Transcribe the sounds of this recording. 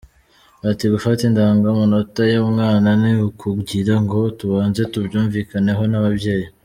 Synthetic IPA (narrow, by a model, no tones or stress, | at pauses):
atiɡufatindaːŋɡamonotajomŋaːnaniukʰuɡɟiɾaŋɡo̞tuβaːnze̞tubɟuːɱviːkane̞ɦo̞naβabje̞ːji